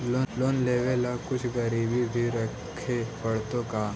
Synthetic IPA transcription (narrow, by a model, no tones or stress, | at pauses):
loːloːnleːʋelakʊt͡ʃʰɡəɾiːbibʱiɾɐ | kʰepɐɽt̪õka